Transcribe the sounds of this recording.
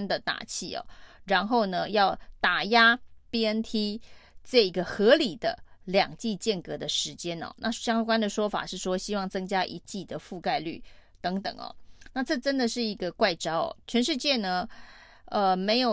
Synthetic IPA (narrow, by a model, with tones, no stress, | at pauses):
nd̪ə˨t̪a̰˨˩t͡ɕʰi˥˩ɔ̰˩ɻa˧˥nxo˥˩ʊnə˩jɑ˥˩ʊt̪a˨˩ja˥pi˥ə˥nt̪ʰi˥ʈ͡ʂɤ˥˩i˧˥ɡə˧xɤ˧˥li˨˩d̪̥ə̰˦ljɑ˨˩ŋt͡ɕi˥˧t͡ɕjɛ˥˩nkɤ˧˥d̪ə˧ʂɻ̩˧˥t͡ɕjɛ˥nɔ̰˨˩nʔa˥˧ɕjɑ˥ŋkwa˥nd̪ə˨ʂwɔ˥fa̰˨˩ʂɻ̩˥˩ʂwɔ˥ɕi˥wɑ˥˩ŋt͡sɤ˥ŋt͡ɕja˥ʔi˧˥t͡ɕi˥˩d̪ə˩fu˥˧ka˥˧ɪly˥˩t̪ɤ˧˥ŋt̪ɤ̰˨˩ŋɔ̰˩na˥˧ʈ͡ʂɤ˥˩ʈ͡ʂə˥nd̪ə˨ʂɻ̩˥˩i˧˥ɡə˧kwa˥˩ɪʈ͡ʂɑ˥ʊɔ̰˨˩t͡ɕʰɥɛ˧˥nʂɻ̩˥˧t͡ɕjɛ˥˩nə˩ | ə˧me˧˥ɪjo˨˩